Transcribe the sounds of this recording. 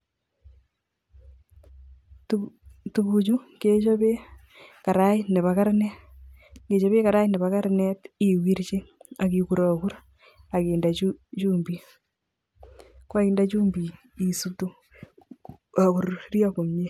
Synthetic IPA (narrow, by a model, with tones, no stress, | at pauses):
ttuβut͡ʃu˦ŋket͡ʃoβe˦ | ka˨ɾa˦i˦ne˨βaka˦ɾne˦ | ɡe˨t͡ʃo˦βe˦ka˨ɾa˦i˦ne˨βaka˦ɾne˦ti˦wi˦ɾt͡ʃe˦a˨kiku˨ɾaku˦ɾ | a˨keːndaut͡ʃuːmbi | kwa˦iː˦ndat͡ʃuː˦mbi˨ | i˨su˦to˦ | a˨ku˨ɾɾja˦ko˨me˦